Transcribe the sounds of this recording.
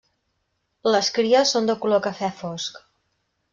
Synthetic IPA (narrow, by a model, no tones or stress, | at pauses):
ləskɾiəsːond̪əkulokəfɛfɔsk